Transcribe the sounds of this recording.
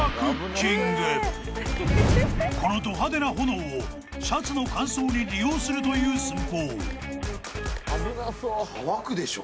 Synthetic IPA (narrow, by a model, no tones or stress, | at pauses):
kɯkiŋɡɯ | kʰo̞no̞t̪o̞ɦad̪e̞naɦo̞noː | ɕat͡sɨno̞kãɰ̃so̞ːɲ̟iɾʲijo̞ːsɨɾɯ̟t̪o̞jɯːsɨmkoː | βakɯ̟d̪eɕo